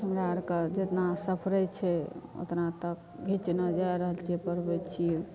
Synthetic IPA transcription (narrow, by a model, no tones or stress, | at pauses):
əmɾaɾkəd͡ʒet̪nasəpʰɾət͡ʃʰɛo̰t̪nat̪ək | bʱit͡ʃnəd͡ʒajɾəɦəlt͡ʃʰiɛpəɾbɛt͡ʃʰiɛ